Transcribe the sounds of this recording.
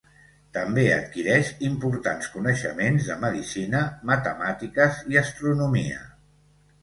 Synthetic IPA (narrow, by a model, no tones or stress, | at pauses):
t̪əmbeə̰t̪kiɾɛʃimpuɾt̪anskunəʃəmenzðəməðisinəmət̪əmat̪ikəziəst̪ɾunumiə̰